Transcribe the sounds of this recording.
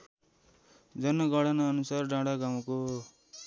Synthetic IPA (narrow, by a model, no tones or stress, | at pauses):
d͡zʌnʌɡʌɽʌnʌːnusarɖãɽaɡaw̃ko